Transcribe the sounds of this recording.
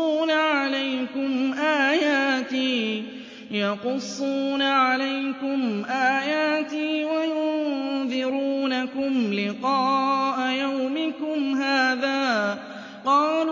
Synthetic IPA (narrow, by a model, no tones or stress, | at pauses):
uːnaʕalajkʊmʔaːjaːt̪iː | jɑqʊsˤːuːnaʕalajkʊmʔaːjaːt̪iːwajʊnðˤɪɾuːnakʊmlɪqɑːʔajawmɪkʊmɦaːðaː | qɑːl